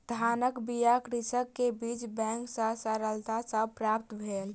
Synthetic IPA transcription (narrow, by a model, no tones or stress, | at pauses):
d̪ʱanəkbijakɾisəkːebit͡ʃbɛ̃ŋksə̃səɾəlt̪asəbpɾapt̪bʱel